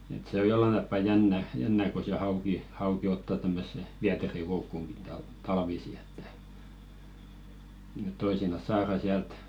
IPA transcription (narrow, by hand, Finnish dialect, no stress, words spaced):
et se o jolːɑn tɑpːɑ jænːæ jænːæ ko se hɑuki hɑuki otːɑ tæmːøsːe ʋiæterikoukːuŋɡ̊i tɑl tɑlʋisi e̥tːæ̥ ĕt̆ toisinɑs sɑːrɑ siælt